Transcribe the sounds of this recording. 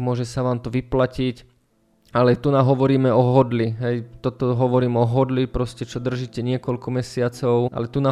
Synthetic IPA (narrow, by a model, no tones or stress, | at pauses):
mʊɔʒɛsaʋaːmt̪ɔʋiplacic | alɛt̪unaɦɔʋɔɾiːmɛʔɔɦɔd̪liɦɛjt̪ɔt̪ɔɦɔʋɔɾiːmɔɦɔd̪lipɾɔscɛt͡ʃɔd̪r̩ʒiːcɛɲɪɛkɔlkɔmɛsɪat͡sɔʊʔa̰lɛt̪una